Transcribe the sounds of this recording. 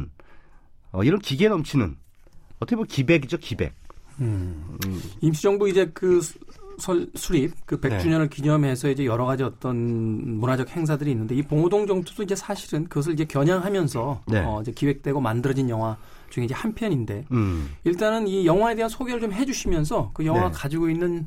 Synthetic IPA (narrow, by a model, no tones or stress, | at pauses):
n | ʌ̰iɾʌnkiɡenʌmt͡ɕʰinɯ̰n | ʌtʰʌkebokibeɡid͡ʑokibe̞̰k̚ | imɕʰid͡ʑʌŋbuid͡ʑe̞kɯsʰʌsʰuɾip̚kɯpe̞k̚t͡ɕ͈uɲʌnɯɭkiɲʌmɦe̞s̬ʰʌid͡ʑe̞jʌɾʌɣad͡ʑiʌt͈ʌnmunad͡ʑʌk̚he̞ŋs̬ʰadɯɾiːnːɯndeipoŋodoŋd͡ʑʌŋtʰodoid͡ʑe̞sʰaɕʰiɾɯnkɯɡʌs̬ʰɯɭid͡ʑe̞kjʌɲaŋɦamjʌnsʰʌnḛʌid͡ʑe̞kiwe̞k̚t͈we̞ɡomandɯɾʌd͡ʑinjʌŋɦwa | t͡ɕuŋeid͡ʑe̞hampʰjʌɲinde̞iɭt͈anɯnijʌŋɦwae̞deɦansʰoɡeɾɯɭt͡ɕomɦe̞d͡ʑuɕʰimjʌns̬ʰʌkɯjʌŋɦwakad͡ʑiɡoinːɯn